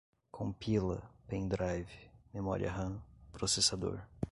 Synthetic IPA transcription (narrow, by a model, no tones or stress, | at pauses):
kʰõpʰilɐ̰pẽj̃d̪ɾajvɪmemɔ̰ɾḭɐ̰ɦɐ̃pɾosesad̪o̰ɾ